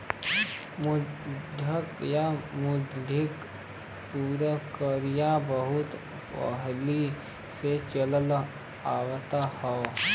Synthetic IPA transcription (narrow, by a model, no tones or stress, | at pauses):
mʊd̪ʱəkjamʊd̪ʱɪk | puːɾəkəɾijabəɦʊt̪ | pə̰ɦli | set͡ʃələl | aːwt̪ahɔ